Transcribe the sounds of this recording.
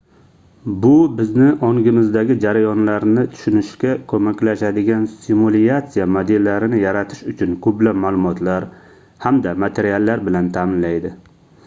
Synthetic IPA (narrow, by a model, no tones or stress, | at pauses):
bʊbɪznɪʔɒŋɡʲɪmɪzd̪aɡʲɪd͡ʒaɾajɒnlaɾnɪt̪ʰʊ̥ʃʊnɪʃkʲakʰɵmakʲlaʃad̪ɪɡʲansɪmuliat̪sijamad̪elːaɾɪnɪjaɾat̪ʰɪ̥ʃʊt͡ʃʰʊnkʰʊblamaːlˠʊmɒt̪ʰlaɾ | hamd̪amat̪ʰe̞ɾialːaɾbɪlant̪ʰaːmɪnlajd̪ɪ